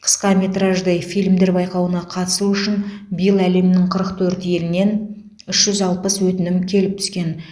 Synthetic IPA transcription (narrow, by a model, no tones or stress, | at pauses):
qʰə̥sqɑmʲe̞t̪rɑʒd̪əjfijlmd̪e̞ɾbɑjqɑwənɑqʰɑt̪ə̥suʏʃɪnbijəlˠæle̞mnɪŋqʰəɾəqt̪ʰɵɾt̪je̞lɪne̞n | ʏʃʒ̥ʏzɑlˠpəswɵt̪ɪnɪmkʲʰe̞lɪp̚t̪ʰʏ̥skʲe̞n